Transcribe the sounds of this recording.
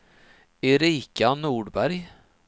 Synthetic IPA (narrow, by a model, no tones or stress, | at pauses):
ɪɾiːkanuːɖbæɾj